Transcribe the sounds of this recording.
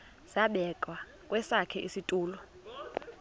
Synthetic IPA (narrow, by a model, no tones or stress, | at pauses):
z̥aɓɛkʼwa | kʼwɛsakʰɛʔisitʼuːlɔ